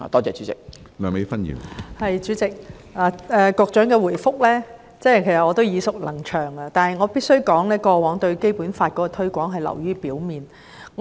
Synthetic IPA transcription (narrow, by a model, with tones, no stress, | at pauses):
a̰ː˨t̪ɔː˥t͡sɛː˨˧t͡ʃyː˨˥t͡sɪ˨k̚ | lœː˨me˨˥jfɐ˥njḭː˨˩mhɐ˨jt͡ʃyː˨˥t͡sɪ˨k̚ | laː˨˩ɛː˨kɔː˧k̚t͡ʃœː˨˥ŋkɛː˧wuː˨˩jfʊ˥k̚lɛː˥ | t͡sɛː˥kʰe˨˩sɐ˨tŋɔː˨˧t̪o˥wjiː˨˧sʊ˨k̚lɐ˨˩ŋt͡ʃʰœː˨˩ŋɐ˧t̪aː˨nhɐ˨jŋɔː˨˧piː˥t̚sɵ˥ɥkɔː˨˥ŋlɛː˥kɔː˧wɔː˨˥ŋt̪ɵ˧ɥke˥jpuː˨˥nfaː˧t̚kɔː˨˦˥kɔː˧t̪ʰɵ˥ɥkʷɔː˨˥ŋɦɐ˨jlɐ̰˨˩wjyː˥piː˨˥wmiː˨n | ŋ